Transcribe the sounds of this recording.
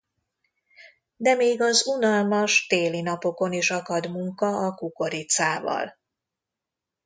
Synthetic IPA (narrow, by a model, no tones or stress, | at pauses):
d̪ɛmeːɡɒzunɒlmɒʃt̪eːlinɒpo̞ko̞niʃɒkɒd̪muŋkɒɒkuko̞ɾit̪saːvɒ̰l